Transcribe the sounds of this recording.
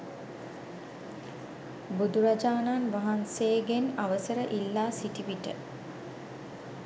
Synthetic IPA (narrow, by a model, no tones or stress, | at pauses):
bud̪uɾad͡ʒaːnanʋaɦanseːɡenaʋəsəɾəʔilːaːsiʈiʋiʈə